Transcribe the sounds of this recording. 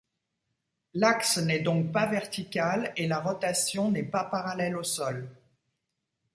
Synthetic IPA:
laksnɛd̪ɔ̃k̚pavɛʁt̪ikʲalelaʁɔt̪asjɔ̃nɛpapaʁalɛlosɔl

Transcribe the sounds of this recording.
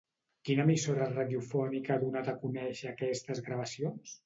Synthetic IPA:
kinəmisoɾəraðjufɔnikəaðunat̪əkunɛʃəːkɛst̪əzɣɾaβəsions

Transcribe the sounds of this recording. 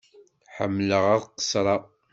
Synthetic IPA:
ħə̰mːləʁæðˤqə̥sˤɾˤɑ

